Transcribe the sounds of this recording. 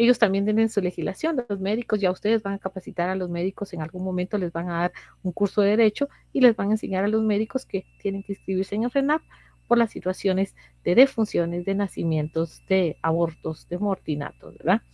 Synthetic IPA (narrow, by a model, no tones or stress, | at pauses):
e̞ʝo̞st̪ambjent̪jenensule̞xizlasjo̞nlo̞zme̞ðiko̞zʝaust̪e̞ðe̞zbaŋakapasit̪aɾalo̞zme̞ðiko̞se̞ŋalɣuŋmo̞mẽnt̪o̞le̞zbaŋaðaɾuŋkuɾso̞ðeðeɾe̞t͡ʃo̞ | ile̞zbaŋense̞ɲaɾalo̞zme̞ðiko̞ske̞t̪jene̞ŋkeĩnskɾiβiɾseŋelrenap̚ | po̞ɾlasːit̪wasjo̞ne̞z | d̪̥e̞ðe̞funsjo̞ne̞zd̪e̞nasimje̞nt̪o̞zd̪e̞aβo̞ɾt̪o̞zd̪emoɾt̪ina̰t̪ozβḛɾða